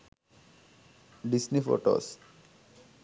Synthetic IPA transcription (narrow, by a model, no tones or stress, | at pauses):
ɖisnifo̰ʈo̰s